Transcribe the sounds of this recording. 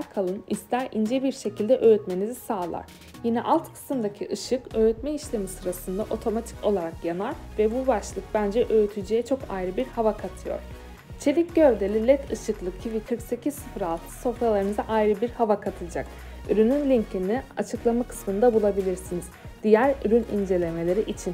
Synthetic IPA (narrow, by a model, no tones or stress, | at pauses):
ɾkʰalˠɯnist̪ʲæɾḭnd͡ʒɛbiɾʃe̞cʰilʲd̪ɛʔøjyt̪me̞nizisaːlˠa̰ɾ̥ | jinɛ̰ʔalˠt̪kʰɯ̥sɯmd̪acʰiʔɯʃɯkøjɾyt̪mɛiʃlʲe̞misɯɾasɯnd̪aʔo̞t̪ʰo̞mat̪ʰi̥ko̞lˠaɾakjanaɾvɛbubaʃlˠɯk̚bænd͡ʒɛʔø̞jyt̪ʰyd͡ʒejɛt͡ʃʰo̞kajɾɯbiɾhavakʰat̪ʰɯjo̞̰ɾ̥ | t͡ʃʰe̞lʲicɟøɾd̪e̞lʲilʲɛt̪ʰɯʃɯklˠɯkcʰivikʰɯɾkse̞cʰizsɯfɾalˠt̪ʰɯ̥so̞fɾalˠaɾɯmɯzaʔajɾɯbiɾhavakʰat̪ʰɯd͡ʒak | yɾynynlʲiɲt̪inia̰t͡ʃʰɯklˠamakʰɯ̥smɯnd̪abulˠabilʲiɾsiniz̥ | d̪̥ijæɾyɾynḭnd͡ʒe̞lʲe̞me̞lʲe̞ɾiʔit͡ʃʰin